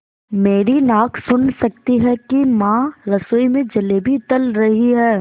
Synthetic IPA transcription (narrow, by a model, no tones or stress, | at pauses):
meːɾinaːkʰsʊnsɐk̚t̪iɦɛkimãːɾɐsoːimẽd͡ʒɐlebʱit̪ɐlɾɐɦiɦɛː